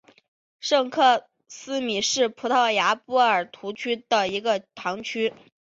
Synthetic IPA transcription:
ʂɤ˥˧ŋkʰɤ˥˩ | sɹ̩˥mi˨˩ʂɻ̩˥˩pʰu˧˥t̪ʰɑ˥˩ʊja˧˥pu˧˥ə˞˨˩t̪ʰu˧˥t͡ɕʰy˥d̪ə˨i˧˥ɡə˧t̪ʰɑ˧˥ŋt͡ɕʰy˥

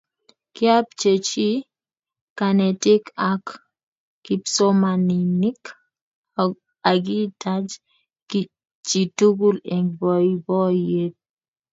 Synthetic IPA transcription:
kja˦p̚t͡ʃe˨t͡ʃi˦ | ka˨nɛ˨tɪ˦ka˦kː | i˨pso˦ma˨ni˨ni˦k | a˨ɡi˦tʰa˦d͡ʒ | k | t͡ʃi˨tu˦ɡu˦le˨ŋbɔ˨ibɔ˦je˦t̚

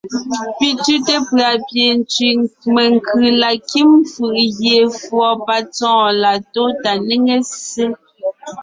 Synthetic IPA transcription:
pi˦tʉ˦te˦pɰa˨pje˨n˦t͡si˨me˨ŋ˨kʰʉ˨la˨ki˦mfɯ˨ʔɣje˨fwɔ˨pa˦t͡sɔ̃ː˦la˨to˦ta˨ni˦ŋe˦se˦

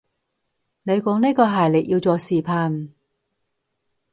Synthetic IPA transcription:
ne˨˧jkɔː˨˥ŋne˥kɔː˧ɦaː˨˩jlɪ˨˩k̚jiː˧wt͡sɔː˧siː˨pʰaː˧n

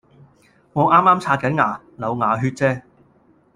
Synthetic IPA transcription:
ŋɔː˨˧ŋʔaː˥maː˥mt͡sʰaː˧t̚kɐ˨˥nŋaː˨˩ | lɐ˨˧wŋaː˨ɦyː˧t̚t͡sɛː˥

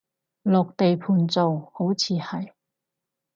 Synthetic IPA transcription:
lɔː˨k̚t̪e˨jpʰuː˨nt͡so˨who˨˥wt͡sʰiː˨˧hɐ˨˩j

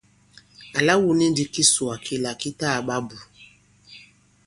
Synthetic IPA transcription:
a˨la˦wu˦˨ni˦n˦di˦ki˦su˨a˨kʰi˦la˨ki˦ta˦˨ɓa˦bu˨

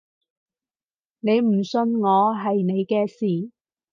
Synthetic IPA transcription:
ne˨˧jm̩˨˩sɵ˧nŋɔː˨˧ɦɐ˨jne˨˧jkɛː˧siː˨

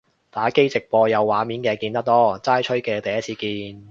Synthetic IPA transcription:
t̪aː˨˥ke˥jt͡sɪ˨k̚pɔː˧jɐ˨˧wːaː˨˥miː˨˥nkɛː˧kiː˧nt̪ɐ˥k̚t̪ɔː˥t͡saː˥jt͡ʃʰɵ˥ɥkɛː˧t̪ɐ˨˩jɐ˥t̚t͡sʰiː˨˧kiː˧n

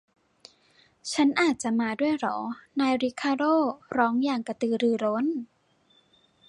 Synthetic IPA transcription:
t͡ɕʰa˦˥nʔaː˨˩t̪̚t͡ɕa˨˩ʔmaː˧du˥˩əjɾɔ̰ː˩˦naː˧jɾi˦˥kʰaː˧ɾoː˥˩ɾɔː˦˥ŋjaː˨˩ŋka˧˩t̪ɯː˧˩ɾɯː˧˩ɾo˦˥n

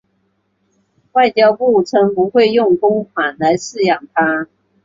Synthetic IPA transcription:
wa˥˩ɪt͡ɕjɑ˥ʊpu˥˩ʈ͡ʂʰɤ˧˥ŋpu˧˦˥xwe˥˧ɪjʊ˥˩ŋkʊ˥ŋkʰwa˨˩nla˧˥ɪʂɻ̩˥˩jɑ˨˩ŋt̪ʰa˥

